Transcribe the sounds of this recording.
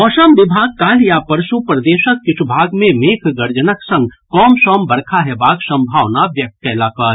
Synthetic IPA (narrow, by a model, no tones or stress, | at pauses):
ɔːʃəmʋɪbʱaːɡ̚kaːljapɐɾʃupɾɐd̪eːʃək̚ːɪt͡ʃʰubʱaːɡmẽmeːkʰɡɐɾd͡ʒənəksɐ̃ŋɡkɔːmʃɔːmbɐɾkʰaɦɛbaːɡsɐ̃mbʱaːʋnaʋjɐk̚t̪̚kɛːlaːkaːɾ